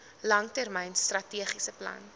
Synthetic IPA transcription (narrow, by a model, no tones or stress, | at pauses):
lɐŋtærmɛjnstrɐtiəχisəplɐ̰n